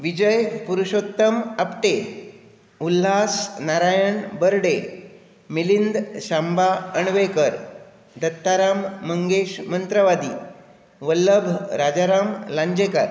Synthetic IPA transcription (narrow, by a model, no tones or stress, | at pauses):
ʋid͡ʑəjpuɾuɕot̪ːəməpʈe | ulɦasnaɾajəɳbəɾɽe | milind̪ɕambaəɳʋekəɾ | d̪ət̪ːaɾamːəŋɡeɕmənt̪ɾəʋad̪iː | ʋəlːəbʱɾad͡ʑaɾamlãɲd͡ʑekaɾ